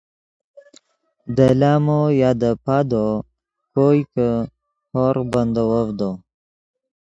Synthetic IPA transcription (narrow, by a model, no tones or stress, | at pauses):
d̪əlaːmojaːd̪əpad̪o | kojkə | hoɾband̪owovd̪o